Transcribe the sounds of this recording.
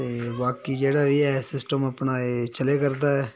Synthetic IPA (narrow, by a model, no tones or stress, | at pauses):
t̪eːbaːkid͡ʒeːɽaʋiɛsɪsʈəmɐpnaːet͡ʃəlekɐɾd̪aɛː